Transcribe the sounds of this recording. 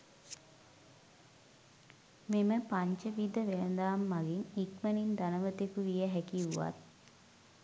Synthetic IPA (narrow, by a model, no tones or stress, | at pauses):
meməpaɲt͡ʃəʋid̪əʋelənd̪aːmːaɡinikmənind̪anəʋət̪ikuʋijəɦækiuʋa̰t̪̚